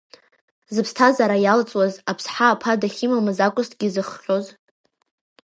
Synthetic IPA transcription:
zɨpʰstʰazaɾajalt͡sʼwazapʰsħaːpʰadaχʲɪmamɨzakʷʼʊstʰʼɡ̥ʲizɨχːʲᶣo̞z

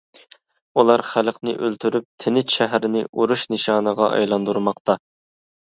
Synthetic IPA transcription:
ulˠɑɾχælqnɪ̰ʔølt̪ʰyɾyp̚t̪ʰɪnɪtʃɛɦɾɪnɪʔuɾuʃnɪʃɑːnəʁɑʔɑ̰jlˠɑnd̪uɾmɑqt̪ɑ

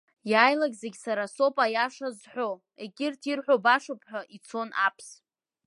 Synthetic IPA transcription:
jajlaɡʲzeɡʲsaɾaso̞pʼajaʂazħʷᶣo̞ | e̞kʲʼɪrtʰirħʷᶣobaʂopʰħʷᶣaʔit͡sʰo̞nʔa̰pʰs

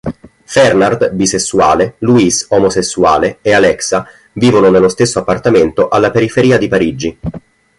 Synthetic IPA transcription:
fɛrnard̪bisesːuaːleluisɔmosesːuaːleealɛksa | viːvononelːost̪esːoapːart̪ament̪oʔalːapeɾifeɾiːad̪ipaɾid͡ʒi

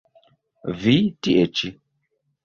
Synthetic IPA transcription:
vitiʔet͡ʃi

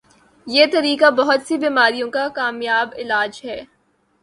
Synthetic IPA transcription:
jeːt̪ɐɾiːkabɐɦʊt̪sibiːmaːɾijõkakaːmjaːbɪlaːd͡ʒɦɛː

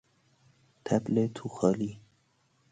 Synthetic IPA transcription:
t̪ʰæblet̪ʰuxɑːliː

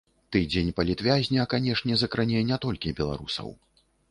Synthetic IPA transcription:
t̪ɨd͡zʲenʲpɐlʲit̪vʲazʲnʲɐkanʲɛʂnʲɛzɐkɾanʲɛnʲɛt̪ɔlʲkʲibʲɛlˠa̰ɾusɐ̰w

